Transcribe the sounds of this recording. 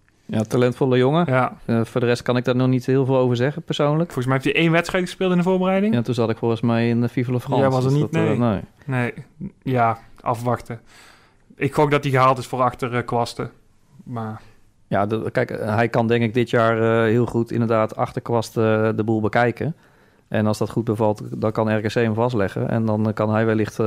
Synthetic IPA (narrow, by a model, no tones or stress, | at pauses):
jatalɛntfɔlˠəjoŋəjafʊːɹdərɛst̚kɑnɪɡ̚daːɹnɔχnithɪːlˠvɪːlˠowvəɹzɛɣəpəɹsownləkfɔlˠɣəs̬mɛjɛɪftiʔejnʋɛtstrɛjtxəspɪːlˠtɪndəvoːɹbərɛjdɪŋjantunzɑtɪkfoɣəsmɛjɪnəfivəlˠəfrɑɑsənitenejnejjaʔɑfʋɑxtə | ɪkxoːfdɑtdiɣəɦaːlˠtɪsfoːrɑxtərkʋɑstə | ma | jadkɛjkɦɛjkɑndɛŋkɪɡ̚dɪtjaːɹəɦɪəlˠχutɪ̰ndəɹdaːtʰɑ̰xtəɹkʋɑstdəbulˠbəkɛjkə | ʔɛnɑlˠsdɑtχut̚bəvɑlˠtdɔnkɑnɛrkəsejməvɑs̬tlɛxə̰ʔɛ̰ndɔnkɑnɦɛjʋɛlɪχt